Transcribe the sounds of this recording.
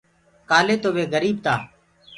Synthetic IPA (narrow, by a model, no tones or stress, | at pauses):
kaːleːt̪oːʋeːɡəɾiːb̚t̪aː